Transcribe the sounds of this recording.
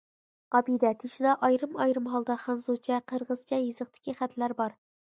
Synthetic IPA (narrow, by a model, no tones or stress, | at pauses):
ɑbid̪ɛt̪ʰeʃid̪ɑʔɑjɾɨmɑjɾɨmɦɑlˠd̪ɑχɑnzot͡ʃʰɛqʰəɾʁəz̥t͡ʃʰɛjizəqt̪ʰɪ̥kʲʰiχæt̪ʰlæɾbɑɾ